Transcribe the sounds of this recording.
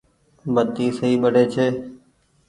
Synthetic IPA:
bət̪iːsəɦiːɓəɽ̤ʱeːt͡ʃʰeː

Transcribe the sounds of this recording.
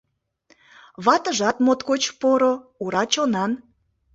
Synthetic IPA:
βɑt̪əʒɑt̪mot̪kot͡ɕpoɾouɾɑt͡ɕonɑn

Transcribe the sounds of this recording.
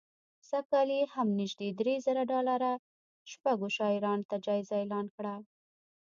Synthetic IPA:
sakɑlehamnɪʒd̪ed̪ɾezəɾaɖɑlaɾa | ʃpaɡoʃɑɪɾɑnot̪ad͡ʒɑɪzaelɑnkɽa

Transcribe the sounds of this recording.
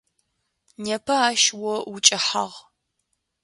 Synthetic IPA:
nepʰɐaːʃwɔwʊt͡ʃʼɪħa̰ʁ

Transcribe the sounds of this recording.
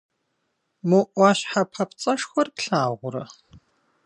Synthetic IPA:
muʔʷɑːɕħapʰɐpt͡sʼɐʂxɐrpɬaːʁʷʊɾɐ

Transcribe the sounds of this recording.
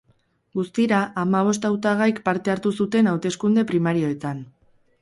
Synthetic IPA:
ɡust̪iɾaʔamaβ̞o̞st̪awt̪aɣ̞ajkpaɾt̪e̞aɾt̪usut̪e̞nawt̪e̞skund̪e̞pɾimaɾio̞e̞t̪an

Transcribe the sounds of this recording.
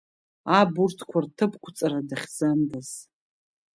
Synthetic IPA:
aburtʰkʷʰartʰɨpʰkʷʰʊt͡sʼaɾadaχʲzandaz̥

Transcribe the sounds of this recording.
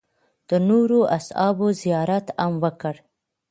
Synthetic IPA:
d̪̥ənoɾoʔa̰sɑ̰bozijɑɾat̪amwəkəɽ

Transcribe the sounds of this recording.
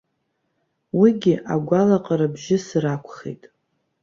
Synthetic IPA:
wiɡʲɪʔa̰ɡʷalaqʼaɾabʒɪsrakʷʰχḛjtʼ

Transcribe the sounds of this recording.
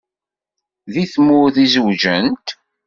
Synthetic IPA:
ðiθmʊɾθizwʒənt̪

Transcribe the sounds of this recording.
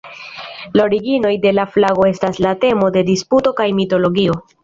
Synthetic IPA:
loɾiɡino̞jde̞laflaɡo̞e̞staslate̞mo̞de̞disputo̞kajmito̞lo̞ɡio̞

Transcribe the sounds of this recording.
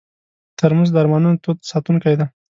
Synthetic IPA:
t̪əɾməzd̪aɾmɑnunot̪od̪sɑt̪uŋkajd̪a

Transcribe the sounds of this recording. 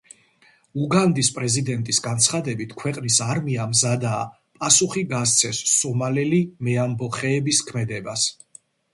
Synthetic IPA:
uɡand̪ispʼɾɛzid̪ɛnt̪ʼisɡant̪sʰχad̪ɛbit̪ʰkʰwɛqʼnisaɾmiamzad̪aː | pʼasuχiɡas̬t̪sʰɛsːɔmalɛlimɛambɔχɛːbiskʰmɛd̪ɛbas

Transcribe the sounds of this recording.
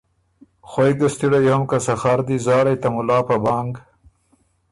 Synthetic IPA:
xojɡ̪əst̪iɽajoomkasaxaɾd̪izɑːɾajt̪amʊlɑːpabɑːŋɡ

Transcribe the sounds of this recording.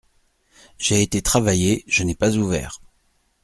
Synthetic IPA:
ʒ̥eːt̪et̪χavajeʒ̥ənɛpazuvɛ̰ːʁ

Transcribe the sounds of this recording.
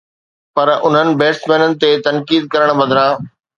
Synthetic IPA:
pɐɾʊn̤ənɪ̆beːsʈmẽːnənɪ̆t̪et̪ɐnkiːd̪̚kɐɾəɽ̃bɐd̪ʱɾãː

